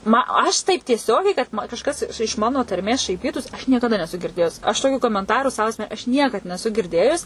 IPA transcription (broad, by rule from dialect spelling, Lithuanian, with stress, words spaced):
ˈmɐ ˈɐʃ tɐɪp tʲiɛˈsʲoːɡʲɛɪ kɐt mɐ kɐʃˈkɐs ɪʃ ˈmɑːnoː tɐrʲˈmʲeːs ʃɐɪˈpʲiːtuːs ɐʃ nʲiɛkɐˈdɐ nʲɛˈsʊ ɡʲɪrʲˈdʲeːjʊs ɐʃ toːˈkʲuː koːmʲɛnˈtɑːruː sɐʊ ɐsʲˈmʲɛ ɐʃ ˈnʲiɛkɐt nʲɛˈsʊ ɡʲɪrʲˈdʲeːjʊs